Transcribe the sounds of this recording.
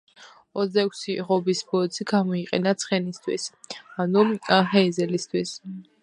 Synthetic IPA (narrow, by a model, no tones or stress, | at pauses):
ɔt̪sd̪aɛkʷʰsiʁɔbisbɔt̪sʰiɡamɔiqʼɛ̰nat̪sʰχɛnist̪ʰwḭsanuɦɛizɛlist̪ʰwis